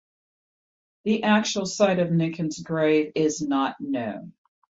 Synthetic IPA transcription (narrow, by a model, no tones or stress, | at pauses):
ðiʔæk̚t͡ʃul̩ˠsaɪɾʌvnɪ̃ŋkʰɨ̃nzɡɹeɪvɪznətⁿnõʊ̃n